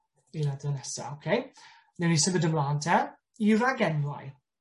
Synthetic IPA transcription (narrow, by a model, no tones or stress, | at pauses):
iladənɛsa̰okʰej | nɛwnisəɡədəmlˠaːntʰɛ | iraɡɛnla̰j